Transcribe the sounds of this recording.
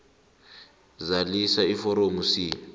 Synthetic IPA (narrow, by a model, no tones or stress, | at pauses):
zalisaifɔɾomusiːa